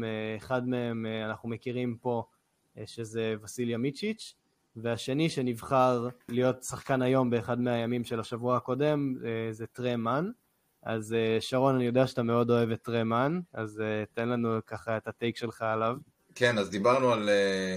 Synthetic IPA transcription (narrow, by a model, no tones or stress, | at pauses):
χadmeemanaχnumekiʁimpo̞ | ʃezevasiljamit͡ʃit͡ʃ | veaʃe̞niʃe̞nivχaʁlijo̞tsaχkanajo̞mbe̞ːχadmeajamimʃe̞laʃavuaako̞de̞mezetʁeman | a̰zeʃaʁo̞nanijo̞deaʃeat̪ame̞o̞do̞e̞vetʁemanazetenlanukaχae̞tatejkʃe̞lχaːlav | kenazd̪ibaʁnuale